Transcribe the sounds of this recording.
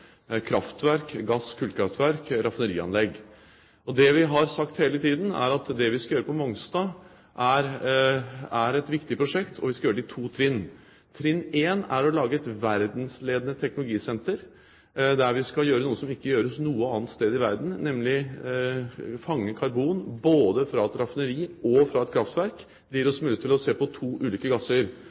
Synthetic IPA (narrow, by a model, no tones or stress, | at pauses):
kʰɾɑft̪ʋæɾkɡɑskʰʉːlkʰɾɑft̪ʋæɾkɾɑfnəɾḭːɑ̰nlɛɡ | ɔd̪ɛʋɪɦɑɾsɑkt̪heːlət̪ʰiːd̪n̩æ̰ɾɑt̪d̪ɛʋɪskɑjøːɾəpɔmɔŋst̪ɑː | ʔæɾ | æɾɛt̪ʋɪkt̪ɪpʰɾʊʂɛkt̪ʰɔʋɪskɑjøːɾɪt̪ʰuːt̪ʰɾɪnː | t̪ʰɾɪneːnæɾɔlɑːɡəɛt̪ʋæɾd̪n̩sleːd̪ənət̪ʰɛknʊlʊɡiːsɛnt̪əɾ | d̪æɾʋɪskɑljøːɾənuːəsɔmɪkːəjøːɾəsnuːəɑːnt̪st̪eːd̪ɪʋæɾd̪n̩nɛmlɪ | fɑŋːəkʰɑɾbuːnboːd̪əfɾɑɛt̪ɾɑfnəɾiːɔfɾɑɛt̪̚kʰɾɑft̪ʋæɾk | d̪̥ɛjiːɾɔsmʉlɪt̪ʰɪlɔseːpɔt̪ʰuːʔʉːliːkəɡɑsəɾ